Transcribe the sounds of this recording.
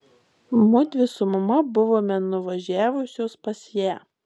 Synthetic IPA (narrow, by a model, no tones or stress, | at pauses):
mʊd̪ʲʋʲɪsʊmɐmɐbʊʋoːmʲɛnʊʋɐʒʲæːʋʊsʲoːspɐsjæː